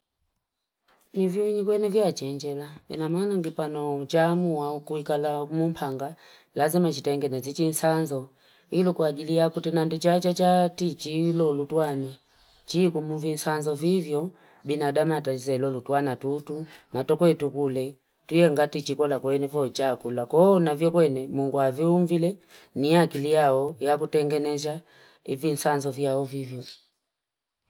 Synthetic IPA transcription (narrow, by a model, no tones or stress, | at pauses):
nivjɔɲikwɛnɛvjat͡ʃɛɲd͡ʒɛlaɛnamaːnaŋɡipanɔt͡ʃamuwaukuikalamumpʰaŋɡa | lazimat͡ʃitaŋɡɛnazit͡ʃinsanzɔ | ilɔkuaɡilijakutinandit͡ʃat͡ʃat͡ʃatit͡ʃilɔlutwani | t͡ʃikumuvin̩sanzɔvivjɔ | binadamataizɛlɔlutwanatutunatɔkwɛtukulɛ | tujɛŋɡatit͡ʃikɔlakwɛnɛvɔt͡ʃakulakɔnavjɔkwɛnɛmuŋɡuaviuɱvilɛ | niakilijaɔjakutɛŋɡɛnɛza | ivin̩sanzɔvjaɔvivjɔ